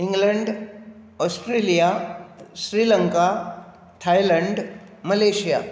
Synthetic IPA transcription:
iŋɡləɳɖ | ɔsʈɾelijaɕɾiləŋka | t̪ʰajləɳɖ | məleɕija̰

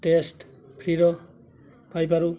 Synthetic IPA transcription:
ʈesʈ | pʰɾiɾɔ | pʰajpaɾu

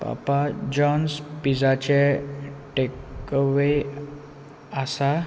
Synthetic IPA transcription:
pa̰pad͡ʑɔnspid͡zat͡ɕeʈekʋe | asa

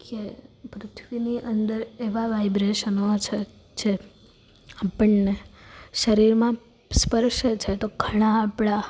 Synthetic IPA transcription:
kepɾʊt̪ʰʋiniʔənd̪əɾeʋaʋajbɾeʃənot͡ʃʰe | d͡ʒe | apəɳneʃəɾiɾmã | spəɾʃet͡ʃʰet̪oɡʱəɽ̃aːpɭa

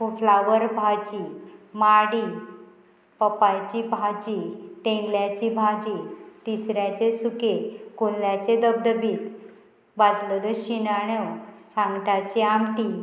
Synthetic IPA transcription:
uflaʋəɾbʱad͡ʑimaɽiː | pəpajt͡ɕibʱad͡ʑit̪ẽŋɡljat͡ɕibʱad͡ʑit̪isɾjat͡ɕesukekunljat͡ɕed̪əb̚d̪əbiːk̪ | bad͡zləd̪əɕinaɳosãŋɡʈat͡ɕiamʈi

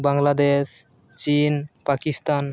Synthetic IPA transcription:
baŋlad̪eʃ | t͡ɕinpakist̪an

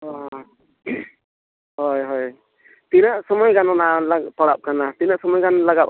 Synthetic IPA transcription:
ɔ | ɦɔjɦɔj | t̪inaʔsɔmɔjɡanɔnalat̪ɔɽap̚kanat̪inaʔsɔmɔjɡanɔlaɡap

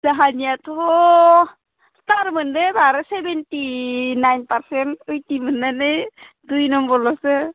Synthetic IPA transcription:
zaɦanijat̪ɔ | t̪aɾmɯndebʱaɾsebenʈinajnpaɾsɛntɯjt̪imɯnːanɯj | d̪ujnɔmbɔlɔse

